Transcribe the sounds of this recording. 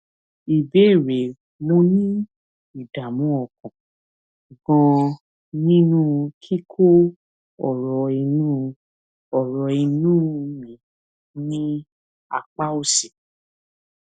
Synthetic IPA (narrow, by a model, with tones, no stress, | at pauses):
i˨be˨˦e˦˨ɾe˨ | mõ˧nĩ˦ | i˨da˨mũ˨˦ɔ˦˨kɔ̃˨ | ɡɔ̃˧ | nĩ˦nũ˦˧kʰi˦kʰo˦ | ɔ̰˨ɾɔ˧i˧nũ˦˧ | ɔ˨ɾɔ˧i˧nũ˦˧mĩ˨˦ | nĩ˦ | a̰˧k͡pa˦o˦˨si˨